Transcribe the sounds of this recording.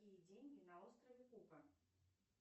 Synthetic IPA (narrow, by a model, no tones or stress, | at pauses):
ijɐd͡zʲenʲinɐɔst̪ɾɐvʲɛkupɐ